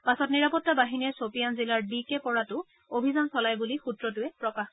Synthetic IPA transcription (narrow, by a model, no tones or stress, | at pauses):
pasɔtniɹapɔtːabaɦiniɛsopijanzilaɹbikɛpɔɹatʊ | obʱizansɔlajbulixutɹɔtʊɛpɹɔkax